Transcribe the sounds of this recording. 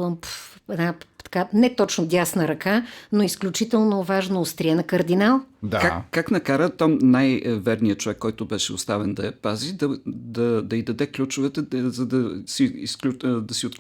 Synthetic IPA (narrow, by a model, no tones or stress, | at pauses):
pɛnat̪ɐ̥kanɛt̪ɔt͡ʃnod̪ʲasnəɾɐkanoisklʲut͡ʃit̪ɛlˠnovaʒnoʊst̪ɾʲiɛnɐkɐɾd̪inalˠd̪akakaknɐkaɾət̪ɔmnajvɛɾnijət͡ʃovɛkːɔjt̪ʊbɛʃɛʊ̰st̪avɛnd̪ɐɛpazid̪ɐd̪ɐd̪ɐid̪ɐd̪ɛklʲut͡ʃʊvɛt̪ɛzɐd̪ɐsiḭskud̪ɐsiot̪